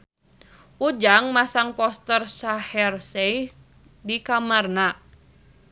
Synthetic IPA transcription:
ʔud͡ʒaŋmasaŋpɔst̪ərsahɛrsej | dikamarna

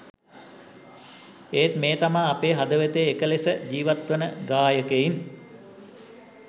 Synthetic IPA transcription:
eːt̪meːt̪amaːpeːɦad̪əʋet̪eːkəlesəd͡ʒiːʋat̪ʋənəɡaːjəkein

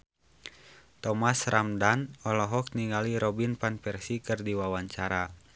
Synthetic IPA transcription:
t̪ɔmasrʔamdanɔlɔɦɔk̚niŋɡaliɾɔbinpanpɛrsikɨrdiwawaɲt͡ʃaɾa

